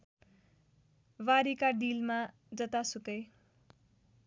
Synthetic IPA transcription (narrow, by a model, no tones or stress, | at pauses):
waɾikaɖilma | d͡zʌt̪asukʌj